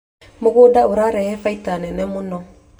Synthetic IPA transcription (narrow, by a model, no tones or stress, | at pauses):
mɔɡudaʔuɾaɾɛɛfajtanɛnɛmunɔ